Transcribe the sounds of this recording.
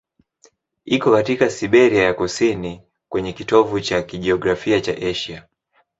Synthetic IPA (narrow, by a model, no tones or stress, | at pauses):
ikɔkatikasiɓɛɾiajakusini | kwɛɲɛkitɔvut͡ʃakiʄiɔɡɾafiat͡ʃa̰ʔɛʃia